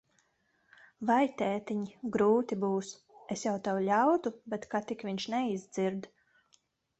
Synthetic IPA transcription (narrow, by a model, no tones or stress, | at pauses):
vajt̪ɛːt̪iɲiɡɾuːt̪ibuːs | esjawt̪ɛwlʲawt̪ubɛt̪kat̪ikvʲiɲʃnɛizd̪ziɾd̪